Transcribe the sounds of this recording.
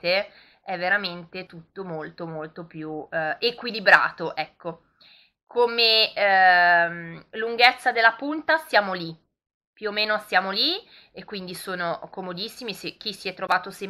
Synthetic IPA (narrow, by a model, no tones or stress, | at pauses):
t̪e | ɛvːeɾament̪et̪ut̪ːomolt̪omolt̪opjuekwilibɾa̰ːt̪oʔɛkːo | kʰome | mluŋɡet̪sːad̪elːapunt̪asjaːmoli | pjuomeːnosjaːmoli | ekːwind̪isoːnokomod̪isːimisek̟ːisiɛt̪ːɾovaːt̪ose